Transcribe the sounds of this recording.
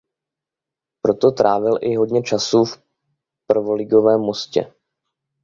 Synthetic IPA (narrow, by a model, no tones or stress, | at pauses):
pɾo̞t̪o̞t̪ɾaːvɪlʔɪɦo̞dɲɛt͡ʃasuːf | pr̩vo̞lɪɡo̞vɛːmːo̞scɛ̰